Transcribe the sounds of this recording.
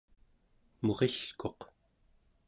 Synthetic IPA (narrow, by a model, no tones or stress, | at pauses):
mo̞ʁeɬko̞q